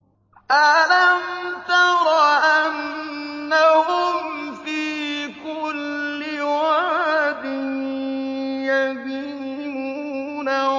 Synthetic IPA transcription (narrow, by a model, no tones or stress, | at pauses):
ʔalamt̪ɑɾˤɑʔanː | ahʊmmfiːkʊlː | ɪwad̪ɪ | jabi | muːna